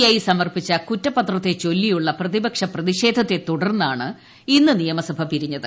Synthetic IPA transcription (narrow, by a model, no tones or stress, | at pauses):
jaːjisɐmɐrpit͡ɕːɐkutːɐpːɐt̪rɐt̪ːe̞t͡ɕo̞lːijuɭːɐprɐðibɐkʂɐprɐðiɕe̞ːd̪ʱɐt̪ːet̪uɽɐrnːaːɳɨ | inːɨnijɐmɐsɐbʱɐpiɾiɲːɐðɨ